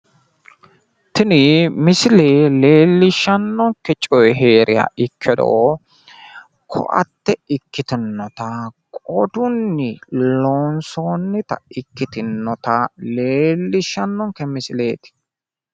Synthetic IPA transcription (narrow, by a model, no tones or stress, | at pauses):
t̪ɪnɪmɪsɪleːle̞ːlːɪʃːɐnːɔŋkːɛt͡ʃʼɔjɦe̞ːɾʔɪja̰ːʔɪkʰːɛd̪o̰ː | kʰɔ̰ʔɐ̰t̪ːɛɪkːɪt̪ɪnːɔt̪ɐkʼɔd̪ʊnːɪloːnsoːnːɪt̪ɐ̰ɪkːɪt̪ɪnːɔt̪ɐle̞ːlːɪʃːɐnːɔŋkːɛmɪsɪle̞ːt̪ɪ̥